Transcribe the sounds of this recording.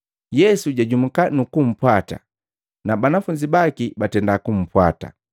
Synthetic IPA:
jɛsuɟaɟumukanukum̩pwata̰ | nabanafuɲd͡ʒibakibatɛndakum̩pwata̰

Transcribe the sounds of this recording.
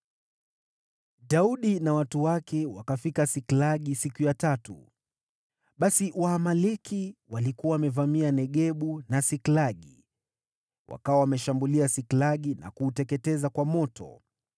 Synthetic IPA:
ɗauɗinawatuwakɛwakafikasiklaɠisikujatatṵ | ɓasiwaːmalɛkʰiwalikuawamɛvamianɛɠɛɓunasiklaɠḭ | wʔa̰kawawamɛʃambuliasiklaɠina̰kuːtɛkɛtɛzakwamɔtɔ̰

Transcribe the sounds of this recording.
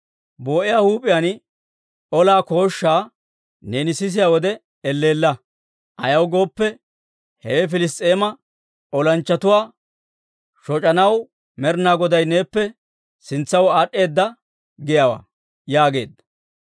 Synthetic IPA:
bo̞ːʔɪjaːhuːpʼɪjaːn | ɔlaːko̞ːʃːaː | ne̞ːnɪsɪs̬ɪjaːwɔd̪ɛ | ɛlːe̞ːlːɐ | ʔɐjɐwɡo̞ːpːɛ | hɛ̰wɛf̬ɪlɪs̬t̪ʼe̞ːmɐ | ʔɔlɐnt͡ʃːɐt̪ʊwaː | ʃɔt͡ʃʼɐnɐw | mɛɾnaːɡɔd̪ɐjne̞ːpːɛ | sɪnt͡sːɐwaːɗʼːe̞ːd̪ːɐ | ɡɪjawa̰ː | jaːɡe̞ːd̪

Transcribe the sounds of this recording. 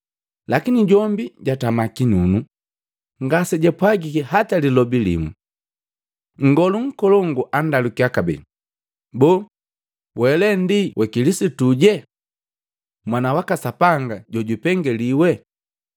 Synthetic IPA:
lakiniɟɔmbiɟatamakinunu | ŋɡasɛɟɛpwaɡikihatalilɔbilḭmu | ŋ̩ɡɔluŋ̩kɔlɔŋɡuʔandalukiakabɛ̰ | bɔː | wɛlɛndiwʔɛkilisituɟɛ | mwanawakasapaŋɡaɟɔɟupɛŋɡɛliwɛ

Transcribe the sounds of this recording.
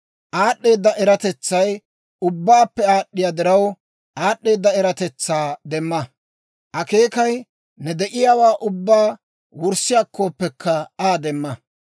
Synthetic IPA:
ʔaːɗːe̞ːd̪ːɐʔɛɾɐt̪ɛt͡sːɐj | ʊbːaːpːɛaːɗːɪjad̪ɪɾɐw | ʔaːɗːe̞ːd̪ːɐɛɾɐt̪ɛt͡sːaːd̪ɛmːɐ | ʔɐke̞ːkɐj | nɛd̪ɛʔɪjaːwaːʔʊbːaː | wʊɾsɪjakʰːoːpːɛkːɐaːd̪ɛmːɐ

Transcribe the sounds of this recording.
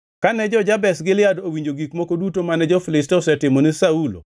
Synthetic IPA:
kanɛd͡ʒɔd͡ʒabɛsɡɪljadowiɲd͡ʒoɡikmɔkodutomanɛd͡ʒɔfilɪstɛsɛtɪmɔnɪsaulo̰

